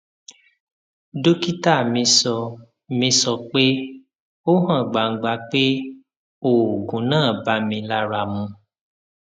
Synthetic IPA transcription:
do˦ki˦ta˦˨mĩ˧sɔ˧ | mĩ˧sɔ˧k͡pe˦ | o˦ɦã˦˨ɡ͡ba˨ŋ̩˨ɡ͡ba˧k͡pe˦ | o˨o˨ɡũ˨˦nãː˦˨ba˨˦mĩ˧la˧ɾa˨mũ˧

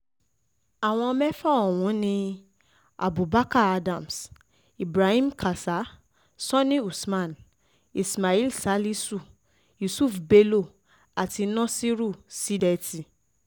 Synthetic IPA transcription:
a˨w̃ɔ̃˧mɛ˦fɔ˦˨ɔ˨wũ˨˦nĩ˧ | a̰˨bu˨ba˦ka˦˨a˧dã˦˨ms | i˨bɾa˨hĩ˦m˦kʰa˨sa˨˦ | sɔ̃˦nĩ˦u˨smã˦˨n | i˨sma˨i˦lsa˨˦li˦su˦˨ | ju˨su˦˨fbe˧lo˦˨ | a˨ti˧nɔ̃˦si˦ɾu˦˨si˨˦dɛ˧ti˨

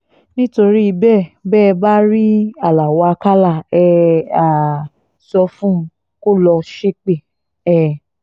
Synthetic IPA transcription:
nĩ˦to˧ɾi˦i˧bɛ˦˨bɛː˦˨˧ba˦ɾi˦a˨la˨wɔ˨˧a˧ka˦la˦˨ɛ˧a˨ | sɔ˧fũ˦˧ | ko˦lɔ˧ʃe˦k͡pe˦˨ | ɛ˨

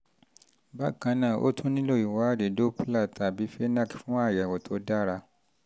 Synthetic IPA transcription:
ba˦kã˨˧nãː˦˨ʔo̰˦tʰũ˦nĩ˦lo˦˨i˨wa˨˦˨de˨do˦pu˦la˦˨tʰa˨bi˨˦fe˦nã˦˨kfũ˦a˦˨ja˨wo˨tʰo˨˦da˦ɾa˧

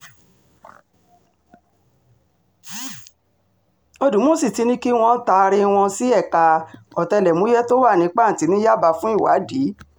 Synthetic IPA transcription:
o˧dũ˨˦mo˦˨si˦˨ti˨˧nĩ˦ki˦w̃ɔ̃˧˦ta˧ɾe˧w̃ɔ̃˧si˦ɛ˦˨ka˧ɔ˨tɛ˧lɛ˨mũ˨˦jɛ˦to˦wa˦˨nĩ˨˦k͡pa˦˨n̩˨ti˨˦nĩ˦ja˦˨ba˧fũ˦i˦˨wa̰˨˦di˨˦

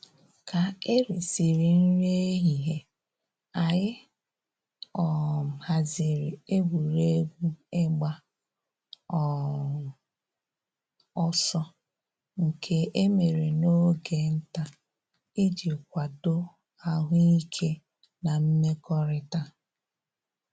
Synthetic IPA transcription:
kʰa˨e˦ɾi˨si˨ɾi˨n̩˦ɾe˦ɦi˨ɦe˦ | a˨jɪ˦ | ɔ˨ha˨zi˨ɾi˨e˦ɡʷu˨ɾe˦ɡʷu˦ɪ˦ɡ͡ba˦ | ɔ˨ | ɔ˦sɔ˦ | ŋ̩˨kʰe˦e˦me˨ɾe˨no˦ɡe˨n̩˦ta˦ | i˦d͡ʒi˨kʷa˨do˦ | a˨ɦʊ˦i˦kʰe˦ | na˨m̩˦me˦kɔ˦ɾɪ˦ta˦

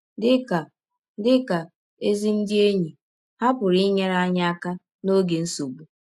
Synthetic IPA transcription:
dɪ˦ka˨˦ | dɪ˦ka˨ | e˦zi˦n̩˦dɪ˦e˦ɲi˨ | ha˦pʊ˨ɾi˦ɲe˦ɾa˦ɲa˦a˦ka˦ | no˦ɡe˨n̩˦so˨ɡ͡bu˨

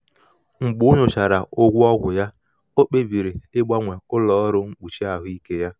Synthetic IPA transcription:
ŋ͡m̩˨ɡ͡bʊ˦nʊ˨t͡ʃa˨ɾa˨o˦ɡʷu˦ɔ˦ɡʷʊ˨ja˦ | o˦k͡pe˦bi˨ɾi˨ɪ˦ɡ͡ba˦ŋʷe˨ʊ˦lɔː˦ɾʊ˦ŋ͡m̩˦k͡pu˨t͡ʃi˦a˨ɦʊ˦i˦ke˦ja˦

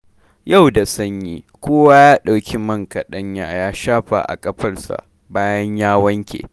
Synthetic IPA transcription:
ja˦˨wda˨sɐ˦ɲjiː˦ | kʷoː˦waː˦jaː˦ɗa˨wkʲʰi˦mɐ˦ŋka˨ɗɐ˦ɲja̰ː˨jaː˦ʃaː˦ɸa̰˨ʔa̰˨kʼɐ˦ɸɐ˦˨rsa̰˨ | baː˦jɐ˦ɲjaː˦wɐ˦ŋkʲḛː˨

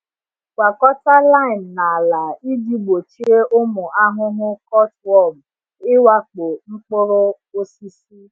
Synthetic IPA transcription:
kʷa˨kɔ˦ta˦la˦i˨n̩˨na˨la˨i˦di˦ɡ͡bo˨t͡ʃi˦e˦ʔʊ˦mʊ˨a˦ɦʊ˦ɦʊ˦kɔ˦twɔ˦˨b | ɪ˦wa˦k͡po˨ŋ͡m̩˦k͡po˦ɾo˦ | o˦si˦si˦

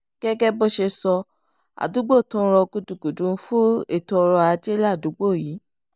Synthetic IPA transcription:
ɡ̥ɛ˦ɡɛ˦bo˦˨ʃe˧sɔ˧ | a̰˨du˨˦ɡ͡bo˦˨tɔ̃˦˧ɾɔ˧ɡu˧du˨ɡu˨dũ˨˦fu˦ḛ˦˨to˧ɔ˧ɾɔ˧a˧d͡ʒe˦la˦˨du˨˦ɡ͡bo˦˨ji˨˦

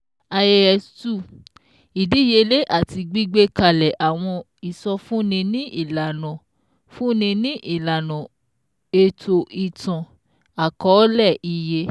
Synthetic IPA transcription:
a˧je˧ɛ˨stu˦˨ | i˨di˨˦˨je˧le˦ʔa˦˨ti˧ɡ͡bi˦ɡ͡be˦ka˧˨lɛ˨ʔa˨w̃ɔ̃˧ | i˨sɔ˧fũ˦nĩ˧nĩ˦ʔi˦˨la˨nɔ̃˨ | fũ˦nĩ˧nĩ˦ʔi˦˨la˨nɔ̃˨ | e˧tʰo˧ʔi˨tɔ̃˨ | a˨kɔ˨˦lɛ˦˨ʔi˧je˧

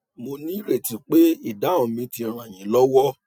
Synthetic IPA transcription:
mo˧nĩ˦ɾe˨ti˨k͡pe˦i˦˨da˨˦õ˨mĩ˧ti˧ɾ̃ã˨j̃ĩ˨˦lɔ˦wɔ˦

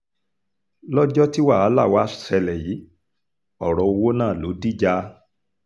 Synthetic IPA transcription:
lɔ˦d͡ʒɔ˦ti˦wa˦˨a˨˦la˦˨wa˨˦˨sɛ˧lɛ˨ji˨˦ | ɔ˦˨ɾɔ˨˧o˧wo˦nãː˦˨lo˨˦di˦˨d͡ʒa˦

